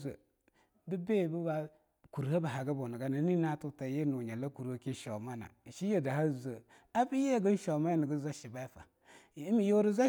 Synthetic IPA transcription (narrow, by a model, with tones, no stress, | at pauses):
zə̰˨ | bi˦be˦˨bi˦ba˦ | ku˨ɾha˦ba˨ɦa˨ɡa˦bo˨ni˨ɡa˦na˨˦ni˦na˦tu˦˨ta˨je˦nu˨ɲa˨la˦ku˨ɾha˦ki˦ʃo̰˨ma˦na̰˨ʃi˦je˨da˨ha˦˨zə˨ | a˦bi˦je˦˨ɡə˦n˦ʃo˨ma˦ja˦ni˨ɡə˦za˦ʃi˨ba˦fa̰˨˦ | mi˨jo˦ɾi˦za˦